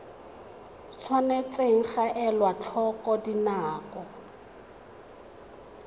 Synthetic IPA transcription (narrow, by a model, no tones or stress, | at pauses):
t͡sʰwanet͡seŋ̩χaʔɛlwat͡ɬʰɔkʼɔdinaːkɔ